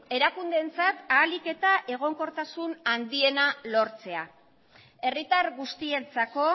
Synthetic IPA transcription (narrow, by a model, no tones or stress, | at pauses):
e̞ɾakund̪e̞nt͡sat̪aːlike̞t̪aʔe̞ɣ̞o̞ŋko̞ɾt̪asunand̪ie̞nalo̞ɾt͡se̞a | e̞rit̪aɾɣust̪ie̞t͡sako̞